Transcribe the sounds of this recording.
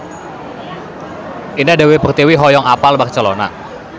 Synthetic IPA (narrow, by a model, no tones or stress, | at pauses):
ʔinadawebərt̪iwiɦɔjɔŋapalbak̚t͡ʃəlona̰